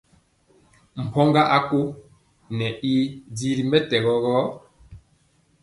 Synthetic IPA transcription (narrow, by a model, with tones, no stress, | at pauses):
m̩˨pʰɔ˦ŋɡa˦ʔa˦ko˦ | nɛ˨ʔi˦di˦ɾi˦mbɛ˦tɛ˨ɣɔ˨ɣɔ˦